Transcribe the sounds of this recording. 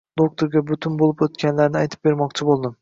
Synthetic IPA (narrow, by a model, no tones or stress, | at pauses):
d̪ok̚t̪ʰoɾɡʲabʊt̪ʰɪnbolˠɪpot̪kʲanlaɾnɪajt̪ʰɪp̚be̞ɾmɒqt͡ʃʰɪbolˠd̪ɪm